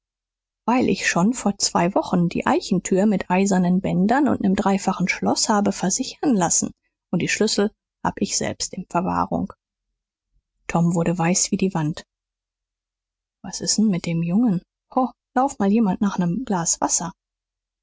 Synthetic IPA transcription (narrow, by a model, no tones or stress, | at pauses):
v̥aɪlʔɪ̰çʃonfoːɐt͡sv̥a̰ɪvɔχn̩dḭːʔa̰ɪçn̩tʰyːɐmɪtʔaɪzɐnənbɛndɐnʊ̰ntnəmdʁaɪfaχn̩ʃlɔ̰shaːbəfɛɐzɪçɐnlasn̩ | ʔʊnt̚d̥iːʃlʏsl̩ | haːbəʔɪçz̥ɛ̰lpstɪnfɛɐva̰ːʁʊ̰ŋ | tʰɔmvʊɐɾəvaɪsv̥iːdiːvant | v̥asɪstn̩mɪt̚d̥eːmjʊŋən | hɔlaʊfmaːljeːmantnaːχnəmɡ̥laːsv̥a̰sɐ